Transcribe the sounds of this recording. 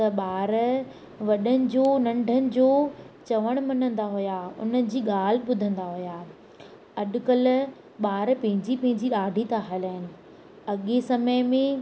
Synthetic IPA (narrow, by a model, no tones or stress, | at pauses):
t̪ɐɓaːɾ | ʋɐɗənɪ̆d͡ʑoːnɐ̃ɳɖʱənɪ̆d͡ʑoːt͡ɕɐʋəɽ̃mɐnə̃nd̪aɦʊjaʊ̰nəɪ̆d͡ʑiːɠaːl̤ɪ̆ɓʊd̪ʱə̃nd̪aɦʊjaː | ɐɗkəl | ɓaːɾpɐ̃ɦɪ̃ɲd͡ʑipɐ̃ɦɪ̃ɲd͡ʑiɗaːɖʱit̪aːɦələɦɪnɪ̆ | ɐɠesɐməjmẽ